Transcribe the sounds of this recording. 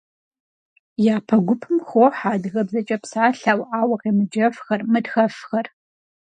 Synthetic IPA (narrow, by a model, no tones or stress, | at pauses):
jaːpʰɐɡʷʊpʰɨmxoħaːdɨɣɐbzɐt͡ʃʼɐpsaːɬaːwʔaːwɐqeːmɨd͡ʒɐfxɐrmɨdxɐfxɐr